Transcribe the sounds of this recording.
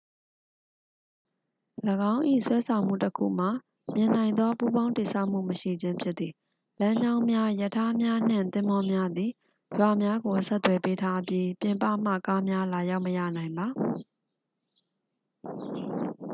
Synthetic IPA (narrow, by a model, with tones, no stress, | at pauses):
ləɡã˦ʊ̃ʔḭ˦˨swɛ˦sʰã˨ʊ̃m̥ṵ˦˨təkʰṵ˦˨m̥a˨ | mjɪ̃˨n̥ã˨ɪ̃nd̪ðwɔ˦pu˦bã˦ʊ̃nti˨sʰa˦ʊʔm̥ṵ˦˨məʃḭ˦˨d͡ʑɪ̃˦mpʰjɪ˦t̪̚t̪ːi˨ | lã˦ɲd͡ʑã˦ʊ̃mja˦jə˨tʰa˦mja˦n̥ɪ̰̃˦˨nt̪ɪ̃˦mɔ˦mja˦d̪ði˨ | jwa˨mja˦ɡo˨sɛ˦t̪t̪ːwɛ˨pe˦tʰa˦pji˦pjɪ̃˨mpä̰˦˨m̥ä̰˦˨ka˦mja˦la˨ja˦ʊʔməja̰˦˨nã˨ɪ̃mba˨